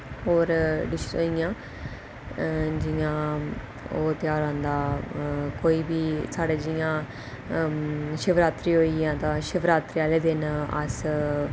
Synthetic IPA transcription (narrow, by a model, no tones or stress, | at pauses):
ɦoːɾɖɪʃsoːijãː | d͡ʒɪjãː | oːt̪jaːɾãːnd̪aːkoːiːbiːsaːɖeːd͡ʒɪjãː | ʃəʋɾaːt̪ɾiːɦoːiãːt̪ãːʃəʋɾaːt̪ɾiːaːleːd̪ɪnə̰s